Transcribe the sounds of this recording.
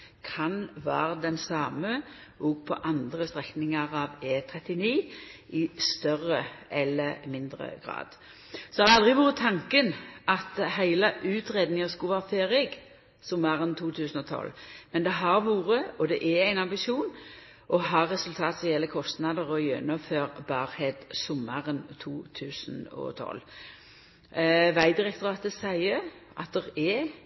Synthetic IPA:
kʰɑnʋæːɾəd̪ɛnsɑːməɔɡ̚pʰɔ̰ʔɑnd̪ʁəst̪ʁɛknɪŋəʁɑʋeːt̪ʰʁɛt̪ɪniː | ɪst̪œrəʔɛlːəmɪnd̪ɾə̰ɡʁɑ̰ːd̪̥ | sɔd̪ɛhɑd̪ɛɑld̪ʁɪɡʋuːɾət̪ʰɑŋkənʔɑt̪ɦæɪləʔʉːt̪ʁeːd̪nɪŋəskʊʋæːʁfeːɾɛɡ | sʊməʁənt̪ʰuːt̪ʰʉːsən̩ɔt̪ʰɔ̰lːmɛnd̪ɛɦɑʁʋuːɾəɔd̪ɛʔɛæɪnɑmbɪʃuːn | ʔɔɦɑʁɛsʉlt̪ʰɑːt̪sɔjɛlːəkʰɔst̪nɑd̪əʁɔjœ̰nɔføːʁbɑːʁhɛd̪sɔməʁənt̪ʰuːt̪ʰʉːsənɔ̰t̪ʰɔ̰lː | ʋæɪd̪ɪʁɛk̚t̪ʊʁɑːt̪əsæɪəʔɑ̰t̪̚d̪ɛʁɛ

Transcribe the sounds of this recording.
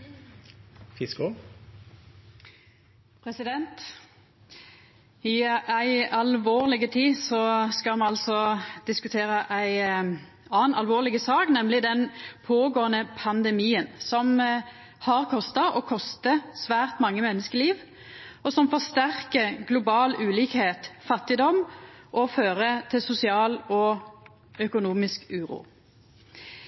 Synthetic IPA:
fɪskʊ | pʰʁɛsɪd̪ɛnt̪ | ɪæɪɑlʋoːʁlɪɡət̪ʰiːsɔskɑmɛɑlsɔd̪̥ɪskʉt̪ʰeːʁəʔæɪ | ɑːnɑlʋoːʁlɪɡəsɑːknɛmlɪd̪ɛnpʰoːɡoːənəpʰɑnd̪ɛmiːənsɔm | hɑʁkʰɔst̪ɑʔɔkʰɔst̪əsʋæːʁt̪mɑŋːəmɛnːəskəliːʋ | ɔsɔmfɔʁst̪æʁkəɾɡlʊbɑːlʉːliːkheːt̪fɑt̪ːɪd̪ɔmʔɔføːʁət̪ʰɪlsʊsɪɑːlɔ | œkʊnuːmɪskʉːɾṵː

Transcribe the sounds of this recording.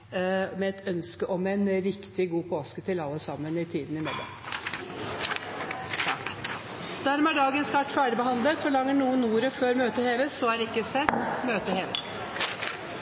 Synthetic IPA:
mɛɛt̪œnskəʔɔmɛɪnɾɪkt̪ɪɡuːpʰoːskət̪ʰɪlɑlːəsɑmːənɪt̪ʰiːd̪n̩ɪmɛlːɔ̰m | d̪æɾmɛæːɖɑːɡənskæʈːfæːɖɪbəɦɑnd̪lət̪fɔɭɑŋːəɳuːənːuːəɾəføːɾmøːt̪əheːʋəsɔæɾɪkːəsɛt̪ːmøːt̪əheːʋət̪

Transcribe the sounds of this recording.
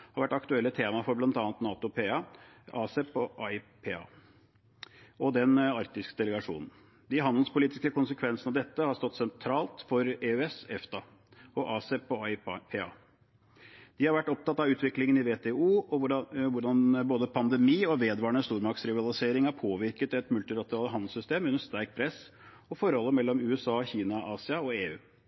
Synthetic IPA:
hɑɾʋæʈːɑkt̪ʉɛlːət̪ʰeːmɑfɔɾblɑnt̪ɑːnt̪nɑːt̪ʊpeɑɑːsɛpʰɔʔɑɪpʰeːɑ̰ː | ʔɔd̪ɛnɑɾt̪ɪskəd̪ɛləɡɑʂṵːnn̩ | d̪ɪɦɑnd̪lspʊliːt̪ɪskəkʊnsəkʰʋɛnsənɑʋd̪ɛt̪ːəhɑɾst̪ɔt̪ːsɛnt̪ʰɾɑːlt̪fɔɾeøɛsɛft̪ɑ | ɔʔɑːsɛpɔpʰeːɑ̰ː | d̪̥ɪhɑɾʋæʈːɔp̚t̪ɑt̪ːɑʋʉːt̪ʋɪklɪŋənɪʋeːt̪ʰɛuːɔʋʊɖɑnboːd̪əpʰɑnd̪əmiːɔʋeːd̪ʋɑːɾɳəst̪uːɾmɑksɾɪʋɑlˠɪseːɾɪŋhæɾpʰoːʋɪɾkət̪ɛt̪mʉlt̪ɪlɑt̪əɾɑːləɦɑnd̪l̩sʏst̪eːmʉnːəst̪æɾk̚pʰɾɛs | ɔfɔɾhɔlːəmɛlːɔmʉːɛsɑːçiːnɑʔɑːsɪɑɔeːʉː

